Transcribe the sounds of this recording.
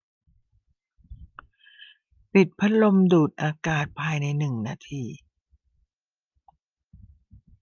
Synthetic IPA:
pi˨˩t̪̚pʰa˦˥lo˧mduː˨˩t̪̚ʔaː˧kaː˨˩t̪̚pʰaː˧jna˧jnɯ˨˩ŋnaː˧t̪ʰiː˧

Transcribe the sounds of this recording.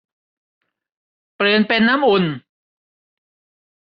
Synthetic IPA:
pɾɯː˨˩npe˧nːa˦˥mʔu˧n

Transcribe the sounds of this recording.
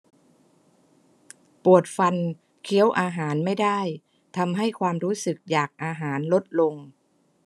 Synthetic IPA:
pu˨˩ət̪̚fa˧n | kʰi˧˦˥əwʔaː˧ɦaː˩˦nma˥˩jda˥˩j | t̪ʰa˧mɦa˥˩jkʰwaː˧mɾuː˦˥sɯ˨˩k̚jaː˨˩k̚ʔaː˧ɦaː˩˦nlo˦˥t̪̚lo˧ŋ

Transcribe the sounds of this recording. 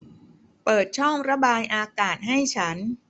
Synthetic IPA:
pɤː˨˩t̪̚t͡ɕʰɔ˥˩ŋɾa˦˥baː˧jʔaː˧kaː˨˩t̪̚ɦa˥˩jt͡ɕʰa˦˥n

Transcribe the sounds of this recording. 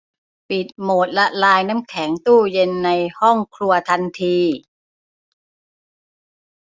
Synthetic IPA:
pi˨˩t̪̚moː˨˩t̪̚la˦˥ʔlaː˧jna˦˥mkʰɛ˩˦ŋt̪uː˥˩je˧nːa˧jhɔ˥˩ŋkʰlu˧ɐt̪ʰa˧nt̪ʰiː˧

